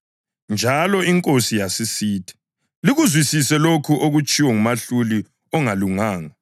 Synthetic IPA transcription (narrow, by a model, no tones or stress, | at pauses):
nd͡ʒʱalɔiŋkʼosijasisiːtʰi̥ | liɣuzwisisɛlokʰuʔoɣut͡ʃʼiwɔŋumaɬuli | ɔŋaluŋaːŋa